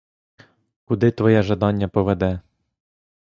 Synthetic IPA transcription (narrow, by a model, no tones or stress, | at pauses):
kʊd̪ɪt̪ʋɔjɛʒɐd̪ɑnʲːɐpɔʋɛd̪ɛ